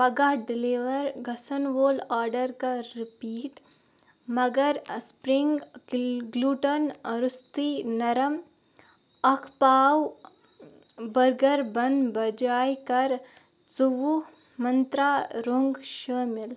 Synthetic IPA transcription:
pɐɡaːɖɪliʋəɾɡʱɐsənʋoːlaːɾɖəɾkaɾɪpiːʈ | mɐɡəɾspɾɪŋɡ | ɡluːʈənɾʊst̪inɐɾəm | ɐkʰpaːw | bɐɾɡɐɾbɐnbɐd͡ʒaːjkɐɾ | t͡suʋu | mɐnt̪ɾaːɾoŋɡʃəːmɪl

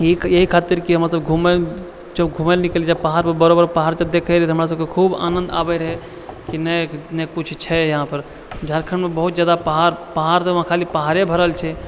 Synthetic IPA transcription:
jjəɦikʰaːt̪iɾkiɦəmɾəatsləbɡʱume | d͡ʒəbɡʱumelniklid͡ʒapaɦaɾpəɾbəɾobəɾpəɦaɾd͡ʒəd̪ekʰəɾɛt̪ɦəmɾas̬əb̚kekʰuːba̰ːnə̃nd̪a̰bɛɾɦɛ | kinənɛkut͡ʃʰt͡ʃʰɛjəɦãpəɾ | d͡ʒʱəɾkʰəɳmebəɦut̪d͡ʒaːd̪apəɦaɾpəɦaɾt̪əʋɦãkʰaːlipəɦaɾebʱəɾəlt͡ʃʰɛ

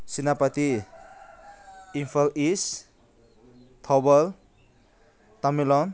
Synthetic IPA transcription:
sinapat̪i | impʰalis | t̪ʰɔbɔl | t̪amilɔn

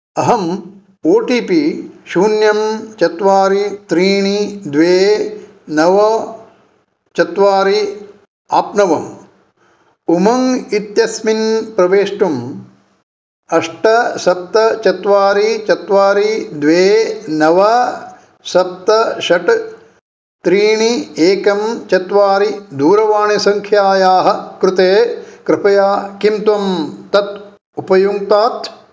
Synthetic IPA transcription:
ɐɦɐm | oːʈiːpiʃuːnjɐmt͡ʃɐt̪ʋaːɾit̪ɾiːɳid̪ʋeː | nɐʋɐ | t͡ʃɐt̪ʋaːɾi | aːpnɐʋɐm | umɐŋit̪jɐsminpɾɐʋeːʂʈum | ɐʂʈɐsɐp̚t̪ɐt͡ʃɐt̪ʋaːɾit͡ʃɐt̪ʋaːɾid̪ʋeːnɐʋɐ | sɐp̚t̪ɐʃɐʈ | t̪ɾiːɳieːkɐmt͡ʃɐt̪ʋaːɾid̪ʱuːɾɐʋaːɳisɐŋkʰjaːjaːɦɐ̆kɾut̪eːkɾɪpɐjaːkimt̪ʋɐmt̪ɐt̪ | upɐjuŋt̪aːt̪

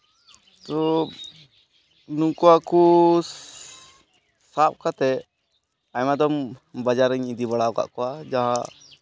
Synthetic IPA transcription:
t̪ɔ | nuŋkɔaku | sap̚kat̪ɛ | aɲmad̪ɔmbad͡ʒaɾɛɲid̪ibaɽaɔka̰ʔkɔwad͡ʒaɦã

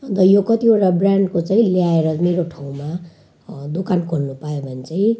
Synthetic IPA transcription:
ʌnt̪ʌjokʌt̪ioʈabrjaɳɖkot͡saĩljaeɾʌmeɾoʈʰaw̃ma | d̪ukankʰoɽnupajobʱʌnet͡saĩ

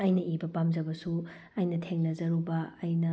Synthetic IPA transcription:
ɐjnɐʔibɐpamzɐbɐsu | ɐjnɐtʰeŋlɐzɐɾubɐːjnɐ

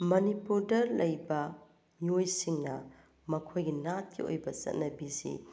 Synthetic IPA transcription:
mɐnipuɾdɐɾlɐjbɐ | miojsiŋnɐ | mɐkʰojɡinat̚kʰḭo̰jbɐsɐ̰t̚nɐbisḭ

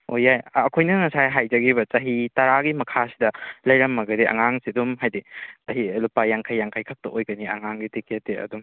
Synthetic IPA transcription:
ojajɐkʰojnɐŋɐsajɦajd͡ʒɐɡiβɐt͡ʃɐɦitɐɾaɡimɐkʰasidɐlɐjɾɐmːɐɡɐdeʔɐ̰ŋaŋsidumɦajdit͡ʃɐɦilupajaŋkʰajːaŋkʰajkʰɐk̚tɐʔojɡɐniɐ̰ŋaŋɡitikʰetːeɐ̰dum

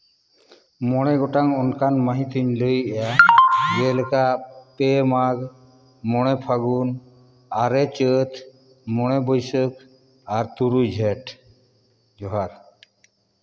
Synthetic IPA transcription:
mɔɽ̃ɛɡɔʈaŋɔnkanmaɦĩt̪ʰiɲləjɛjad͡ʒɛlɛkapɛmaɡ | mɔɽ̃ɛpʰaɡun | aɾɛt͡ʃət̪ʰ | mɔɽ̃ɛbɔjsək̚ | aɾt̪uɾud͡ʒʱɛʈ | d͡ʒɔɦaɾ

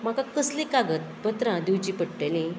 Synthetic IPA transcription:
m̤akakəslikaɡət̪̚bət̪ɾãd̪iwt͡ɕipəʈ̚ʈelĩ

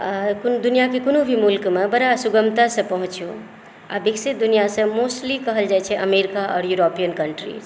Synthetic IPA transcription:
kond̪unijakekonobʱimulkmebəɾasuɡəmt̪asə̃pəɦũt͡ʃu | a̰biksit̪̚d̪unijasə̃mosʈlikəɦəld͡ʒajt͡ʃʰɛʔəmeɾikaʔɔ̰ːɾjuɾopijənkəɳʈɾḭz

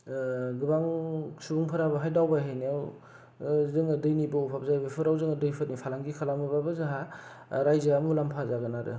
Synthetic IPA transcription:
ɡɯbaŋsubuŋpʰɯɾabaɦajdawbaɦejniaw | zɯŋɯdɯjnibawpʰap̚zajbapʰɯɾawzɯŋadɯjpʰɯt̚nipʰalaŋɡikʰalamɯbabɯzaɦa | ɾajzaamulampʰazaɡɯnaɾɯ̰

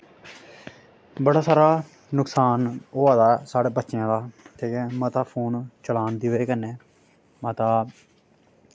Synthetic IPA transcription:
bəɽaːsaːɾaː | ʊksaːnoːaːd̪aːsaːɽeːbətːʃjãːd̪aːt̪ʰeːkeːmət̪aːpʰuːnt͡ʃəlaːnd̪iʋeːkənːeː | mat̪aː

